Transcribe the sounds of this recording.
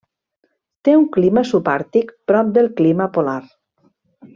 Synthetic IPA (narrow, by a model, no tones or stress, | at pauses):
t̪euŋkliməsupaɾt̪ikpɾɔp̚d̪elˠkliməpolaɾ